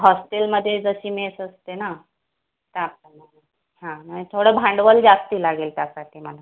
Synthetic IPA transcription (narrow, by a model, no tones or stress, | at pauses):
ɦɔsʈelməd̪ʱːjed͡zəɕiːmesəst̪ena | t̪əap̚əmana | hãnaɦit̪ʰoɽəːbʱãɳɖʋəld͡zast̪iːlaɡelt̪jasaʈʰiːməna